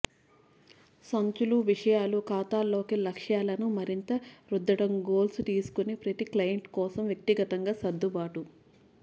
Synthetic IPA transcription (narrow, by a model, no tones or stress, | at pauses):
sɐɲt͡ʃuluʋiʂɐjaːlukaːt̪aːlːo̞ːkilɐkʂjaːlɐnumɐɾint̪ɐɾud̪ːɐɽɐmɡoːlsut̪iːsu̥kunepɾɐt̪iklɐjɐɳʈkɔːsɐmʋjɐk̚t̪iɡɐt̪ɐŋɡaːsɐd̪ːubaːʈu